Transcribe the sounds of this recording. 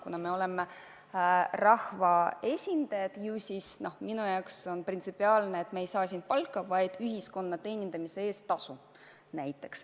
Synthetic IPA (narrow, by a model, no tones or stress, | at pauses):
kunɑme̞o̞leme | rɑhvɑe̞sʲind̪ɑjɑd̪̥jusʲisno̞hminujɑwkso̞nprint̪sipːiɑːlneet̪meejsɑːsinpɑlkːˑɑvɑjd̪̥yɦisko̞nːɑt̪e̞ːnʲind̪̥ɑmise̞e̞ːst̪ɑsu | næjt̪ːˑe̞ks